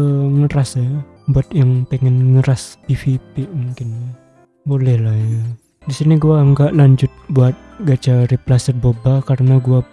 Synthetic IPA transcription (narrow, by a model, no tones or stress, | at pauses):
əŋəɾas | buat̪̚jaŋpɛŋɛnŋəɾasifipimuŋkɪn | bolɛhlahja | disiniɡuaŋɡaʔlaɲd͡ʒʊt̪̚buat̪̚ɡat͡ʃaɾiplasərbobakaɾənaɡua